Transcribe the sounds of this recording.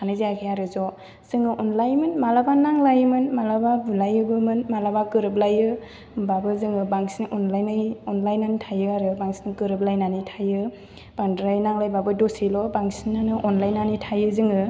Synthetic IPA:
kʰanɯzijakʰajaɾɯzɔ | z̥ɯŋɯʔɔnlajmɯnmalabanaŋlajmɯnmalababulajɯbɯmɯnmalabakɯɾɯblajɯ | babɯzɯŋɯbaŋsinɯʔɔnlajnajɔnlajnanɯtʰajɯaɾɯbaŋsi̥nɯkɯɾɯb̚lajnanitʰajɯ | b̥andɾajnaŋlajbabɯdosilɔbaŋsinanɯʔɔnlajnːanitʰajɯzɯŋɯ

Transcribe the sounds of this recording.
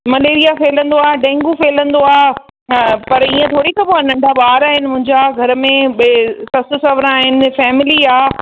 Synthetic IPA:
mɐleːɾijafeːlə̃nd̪oaːɖɛ̃ːŋɡufeːlə̃nd̪oaː | pɐɾiːə̃t̪ʰoːɽikɐboɐnɐ̃ɳɖʱaɓaːɾaːɦɪnɪ̆mʊ̃ɦɪ̃ɲd͡ʑaɡʱɐɾmẽɓsɐsʊsɐʋɾãaːɦɪnɪ̆fɛːmɪliaː

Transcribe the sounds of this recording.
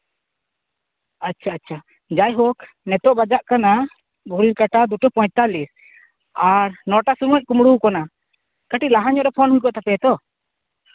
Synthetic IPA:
atːt͡ʃʰaːt͡ʃʰa | d͡ʒajɦɔk | nɛt̪ɔʔbad͡ʒaʔkana | bʱuɾiɾkaʈad̪uʈɔpɔjt̪alis | aɾnɔʈasumuc̚ˀkumɽukɔna | kəʈiʔlaɦaɲɔʔɾɛpʰɔnɦujkɔʔt̪apɛt̪ɔ

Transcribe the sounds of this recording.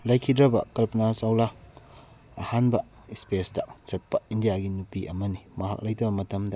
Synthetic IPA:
lɐjkʰidɾɐbɐ̰kɐlpɐnasawlaː | hanbɐ | ispesdɐsɐt̚pɐindijaɡinupiʔɐmɐnimɐɦa̰k̚lɐjtɐbɐmɐtɐmdɐ

